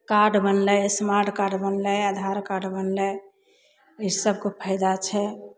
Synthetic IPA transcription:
kaɖbənləsmaɾʈkaɾɖbənləad̪ʱaɾkaɖbənlɛ | isəb̚kopʰəɪd̪at͡ʃʰɛ

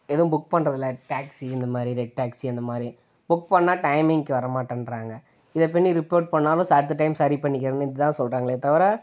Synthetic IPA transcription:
ɛðɐʊ̃bʊk̚pɐɳːɾɐðɪlːɐʈaːksiɪnd̪ɐmaːd̪ɾiɾɛɖ̚ʈːaːksiɛnd̪ɐmaːd̪ɾi | bʊkpɐɳːaːʈɐɪmɪŋɪkːɯʋɐɾɐmaːʈːɐnɾaːŋɡɐ | ɪðɐp̬ːɪɳːiɾɪpoːʈ̚pɐɳːaːlʊ̃saːɾt̪ːɯʈ̬ːɐɪmsɐɾipɐɳːɪk̬ʲːɪɾɐnːɯɪðɐt̪ãːsɔlɾaːŋɡɐɭet̪ɐʋɐɾaː

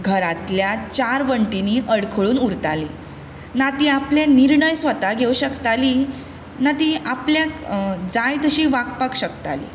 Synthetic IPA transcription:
ɡʱəɾat̪ljat͡ɕaɾʋəɳʈiniːʔəɽkʰəɭuːnuɾt̪alḭː | nat̪iːapljaniɾɳəjsʋət̪aɡʱeuɕəkt̪ali | nat̪iʔapljad͡zajt̪əɕiːʋakpakɕəkt̪a̰lḭː

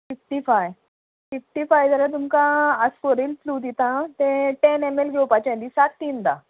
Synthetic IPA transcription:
fifʈifaj | fifʈifajzəɾat̪̬umkãasfoɾilplud̪it̪ãt̪ẽʈenemelɡewpat͡ɕãnd̪isak̚t̪iːnd̪a

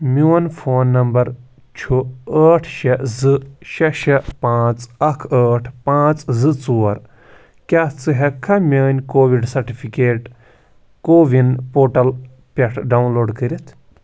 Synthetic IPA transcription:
muːɐnfʰoːnːɐmbɐɾ | t͡ʃʰuəːʈʰʃɐzɨʃɐʃɐpãːt͡sɐkʰəːʈʰpãːt͡szɨt͡suːɐɾ | kʲaːt͡sɨɦɐkʰːɐmʲɐːnʲkoːʋiɖsɐɾʈipʰikeːʈ | koːʋinpoːʈɐl | pʲeʈʰɖawnloːɖkəɾit̪ʰ

